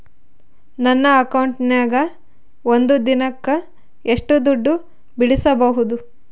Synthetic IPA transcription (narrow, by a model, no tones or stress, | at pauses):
nɐnːɐːkɐwɳʈnaːɡɐ | ond̪ud̪inɐkːɐ | eʂʈud̪uɖːu | biɽisɐbɐɦud̪u